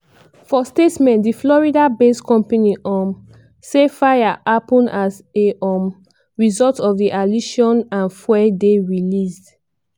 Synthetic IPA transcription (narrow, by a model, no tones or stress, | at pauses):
fɔstetmɛ̃ntdiflɔɹidabeskɔ̃mpaniʔɔ̃m | sefajaapɔ̃nazeʔɔm | ɹizɔltɔfdiʔaliʃɔ̃nãnfwɛdeɹilisd